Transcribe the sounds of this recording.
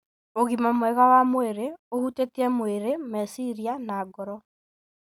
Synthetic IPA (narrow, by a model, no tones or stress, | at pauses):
oɣimamoɛɣawamoeɾeohutetiɛmoeɾemɛsiɾianaːɡɔɾɔ